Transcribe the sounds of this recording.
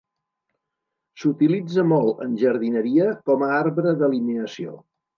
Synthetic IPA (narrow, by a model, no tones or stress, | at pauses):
sut̪ilid͡zəmɔlˠə̰nʲʒəɾð̞inəɾiəkɔməaɾβɾəðəlimeəsio̰